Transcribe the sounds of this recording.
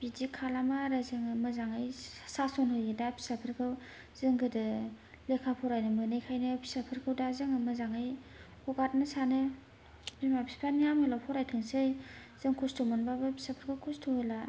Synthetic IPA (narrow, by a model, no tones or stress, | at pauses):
bidikʰalamaɾazɯŋmɯzaŋɯjsasonhɯjɯdapʰi̥sapʰɯɾkʰɯw | z̥ɯŋɡɯdɯ | lekʰapʰɔɾajnɯmɯnɯjkʰajnɯpʰi̥sapʰɯɾkʰɯwdazɯŋɯmɯzaŋaj | hɔɡat̚nɯsanɯ | bimabʰispʰanijamelapʰɔɾajtʰɯŋsej | z̥ɯŋkʰustomɔnbababʰi̥sapʰaɾkʰawkʰustʰohola